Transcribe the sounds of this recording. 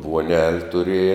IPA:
ʋuɔˈnʲɛlʲ tʊˈrʲiɛjɛ

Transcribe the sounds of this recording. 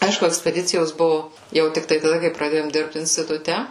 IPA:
ˈɐɪʃkʊ ɛksʲpʲɛˈdʲɪt͡sʲɪjoːs ˈbʊʋʊ ˈjɛʊ tʲɪkˈtɐɪ tɐˈdɐ kɐɪ prɐˈdʲeːjoːm ˈdʲɪrpt ɪnʲsʲtʲɪtʊˈtʲɛ

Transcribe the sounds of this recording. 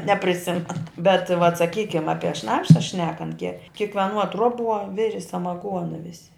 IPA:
nʲɛpʲrʲɪˈsʲɪmʲɛn bʲɛt ʋɐt sɐˈkʲiːkʲɪm ˈɑːpʲiɛ ˈʃnɑːpʃɐ ˈʃʲnʲæːkɐnt kʲɛ kʲɪkʋʲɛˈnuɔ ˈtruɔˌbuɔ ˈʋʲɪrʲɪ sɐmɐˈɡuɔnɐ ˈʋʲɪsʲɪ

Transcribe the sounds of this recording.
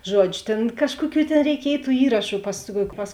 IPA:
ˈʒuɔd͡ʒʲʊ ˈtʲeːn ˈkɑːʃkuɔˌkʲuː tʲeːn rʲɛɪˈkʲiɛj tuː ˈiːrɐʃʊ pɐs pɐs

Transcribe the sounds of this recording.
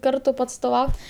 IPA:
ˈkɐrtʊ pɐɐtstoːˈʋɐʊtʲ

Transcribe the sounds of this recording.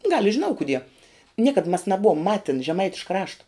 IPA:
ɡɐlˠ ɪ ʒʲɪˈnɐʊ kʊˈdʲiɛ ˈnʲiɛkɐt mɐs nɐˈbʊʋoːm ˈmɑːtʲɪn ʒʲɛˈmɐɪtʲɪʃkɐ ˈrɑːʃtɐ

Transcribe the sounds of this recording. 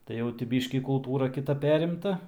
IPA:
tɐɪ ˈjɛʊ tʲɪ ˈbʲiːʃʲkʲiː kʊlˠˈtuːrɐ kʲɪˈtɐ ˈpʲæːrʲɪmtɐ

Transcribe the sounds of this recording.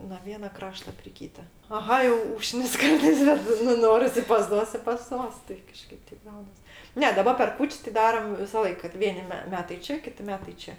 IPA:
noː ˈʋʲiɛnɐ ˈkrɑːʃtɐ pʲrʲɪ ˈkʲiːtɐ ɐˈɣɐ jɛʊ ˈuːʃknʲɪs ˈkɐrtɐɪs ˈbʲɛt nʊ ˈnoːrʲɪs ɪ pɐs ˈtuɔs ɪ pɐs ˈtuɔs tɐɪ kɐˈʃkɐɪp ˈtʲɛɪp ˈɡɐʊnɐs ˈnʲɛ dɐˈbɐ pʲɛr ˈkuːt͡ʃʲsʲ tʲɪ ˈdɑːrɐm ʋʲɪsɐˈlˠɐɪk kɐt ˈʋʲiɛnʲɪ mʲɛ ˈmʲæːtɐɪ ˈt͡ʃʲɛ ˈkʲɪtʲɪ ˈmʲæːtɐɪ ˈt͡ʃʲɛ

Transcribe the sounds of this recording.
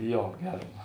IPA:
ˈjoː ˈɡʲɛrm

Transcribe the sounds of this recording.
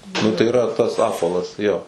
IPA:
ˈnʊ tɐɪ ɪˈrɐ ˈtɐs ˈɑːpʋɐlˠɐs ˈjoː

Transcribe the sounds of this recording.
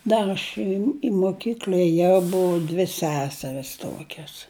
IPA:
ˈdɐr ɐʃ ɪ ɪ moːˈkʲiːklʲɐ ɛˈjɛʊ ˈbʊʋɐ dʲʋʲɪ ˈsʲæːsʲɛrʲɪs ˈtoːkʲɛs

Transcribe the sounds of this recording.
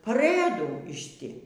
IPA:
pɐˈrɘduː ɪʃ ˈtʲɪ

